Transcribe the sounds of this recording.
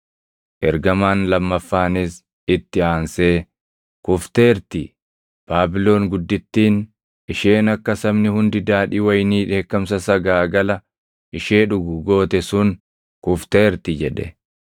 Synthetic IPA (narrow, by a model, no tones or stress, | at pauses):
ʔɛɾɡɐmaːnlɐmːɐfːaːnɪs | ɪt̪ːɪaːnseː | kʊft̪e̞ːɾt̪ɪ | b̥aːbɪlo̞ːŋɡʊd̪ːɪt̪ːiːn | ɪʃe̞ːnɐkːɐsɐbnɪhʊnd̪ɪd̪aːᶑɪwɐjniːᶑe̞ːkːɐmsɐsɐɡaːɡɐlɐ | ʔɪʃe̞ːᶑʊɡʊɡo̞ːt̪ɛsʊn | kʊft̪e̞ːɾt̪ɪd͡ʒɛᶑɛ̰